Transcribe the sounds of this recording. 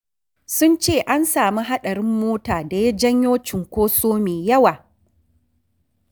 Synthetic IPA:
sʊ˦nt͡ʃeː˦˨ʔa˦nsaː˨mi˦ɦa˦ɗɐ˨ɽɪ˦mːoː˦taː˨da˨jɐ˦d͡ʒɐ˦ɲjoː˦t͡ʃɪ˨ŋkʷoː˦soː˦meː˨jɐ˦waː˨

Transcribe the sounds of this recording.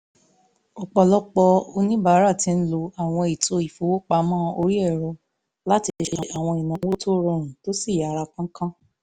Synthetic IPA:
o˨k͡pɔ˧lɔ˦k͡pɔ˧o˧nĩ˦ba˦˨˦ɾa˦˨tĩ˨˧˦n̩˦lo˧a˨w̃ɔ̃˧i˨to˧i˨fo˧˦wo˦k͡pa˧mãː˦o˧ɾi˦ɛ˦˨ɾɔ˧ | la˦ti˧˦˧ʃe˧a˨˧ʔa˨w̃ɔ̃˧i˨nã˨˧wo˦to˦ɾɔ̃˧˨ɾ̃ũ˨to˦si˦˨ja˨˦ɾa˧kã˦kã˦

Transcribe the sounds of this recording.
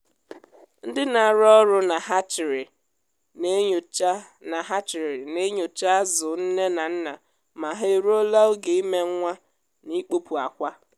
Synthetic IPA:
n̩˦dɪ˦na˨ɾɔ˦ɾʊ˦na˨ɦa˦t͡ʃɪ˨ɾɪ˨ | ne˦ɲ˨t͡ʃa˦ | na˨ɦa˦t͡ʃɪ˨ɾɪ˨ne˦ɲo˨t͡ʃa˦a˦zʊ˨n̩˦ne˦na˨n̩˦na˨ | ma˨ɦe˦˨ɾo˦la˦o˦ɡe˨i˦me˦ŋ˦ŋʷa˦ | ni˦k͡po˦pu˨a˨kʷa˦

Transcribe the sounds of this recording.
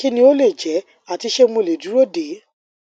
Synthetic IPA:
ki˦nĩ˦o˦le˦˨d͡ʒɛ˨˦ | a˦˨ti˧ʃe˦muo˧˨le˨du˨˦ɾo˦˨de˨˦

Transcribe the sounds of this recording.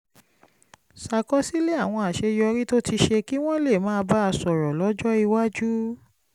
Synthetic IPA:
sa˨kɔ˦si˦le˦a˦˨w̃ɔ̃˧a˨ʃe˧jɔ˧ɾi˦to˦ti˧ʃe˧ki˦w̃ɔ̃˦le˦˨mãː˦˧ba˦a˧sɔ˨ɾɔ˨lɔ˨˦d͡ʒɔ˦i˧wa˦d͡ʒu˦

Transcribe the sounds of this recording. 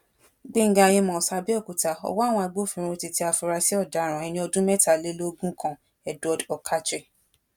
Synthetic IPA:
ɡ͡be˦ŋ̩˦ɡã˧˨je˧mɔ̃˨sa˧bi˦ɔ˦˨ku˨ta˧ɔ̰˧wɔ˦˨w̃ɔ̃˧a˧ɡ͡bo˦˨fĩ˧ɾ̃ũ˧ti˧ti˦a˧fu˧ɾa˧si˦ɔ˦˨da˨˦ɾ̃ã˨ɛ˨˧nĩ˧˦ɔ˧dũ˦mɛ˦ta˨le˦lo˦ɡũ˦kʰã˦˨ | ɛ˨dɔ˨dɔ˨kʰa˦t͡ʃɛ˦˨

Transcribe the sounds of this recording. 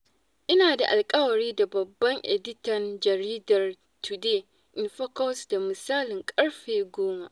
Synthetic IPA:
ʔɪ˦naː˨da̰˨ʔa˨lkʼɐ˦wɐ˨ɾiː˦da˨bɐ˨bːɐ˦ŋʔɛ̰˨dɪ˦tɐ˨nd͡ʒɐ˨ɾiː˦dɐ˨r | tu˨deː˦ | ʔɪ˨nɸɐ˦kɔ˦sda˨mɪ˨saː˦lɪ˨ŋkʼɐ˦ɽɸeː˨ɡʷoː˦maː˨ʔ

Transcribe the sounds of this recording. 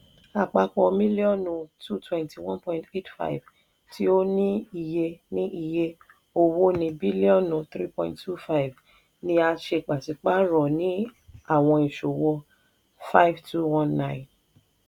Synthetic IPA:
a˨k͡pa˧k͡pɔ˧mĩ˦li˦ɔ˦˨nũ˧tʰu˦˨twɛ̃˧nti˨wɔ̃˦npɔ̃˧ĩnte˦tfa̰˦i˨v | ti˦o˦nĩ˦i˧˨je˧nĩ˦ʔi˧je˧ | o˧wo˦nĩ˧bi˦li˦ɔ̃˦˨nũ˨˧t̪ɾi˦pɔ̃˧˨ḭ̃˨ttʰu˦fa˦i˨v | nĩ˧˦a˧ʃe˧˨k͡pa˨si˨k͡pa˦ɾɔ˨nĩ˦a˦˨w̃ɔ̃˧i˨ʃo˨wɔ˧ | fa˦i˦vtʰu˦wɔ̃˦nːã˦˨ĩ˨n

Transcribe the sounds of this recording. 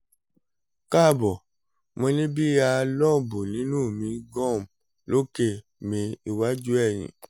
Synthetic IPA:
ka˦˨bɔ˨ | mɔ̃˧lĩ˦bi˦a˧lɔ˦˨bo˨nĩ˨˦nũ˦˨mĩ˨˧ɡɔ̃˦˨m˨ | lo˦ke˦˨ | mĩ˧i˧wa˦d͡ʒu˦ɛ˦˨j̃ḭ̃˨

